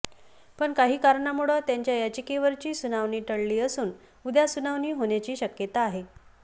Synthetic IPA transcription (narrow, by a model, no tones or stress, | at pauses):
pəɳkaɦiːkaɾɳamuɭət̪jaɲt͡ɕjajat͡ɕikiʋəɾt͡ɕiːsunaʋniːʈəɭliːəsuːn | ud̪jasunaʋniːɦoɳjat͡ɕiːɕəkjət̪aːɦe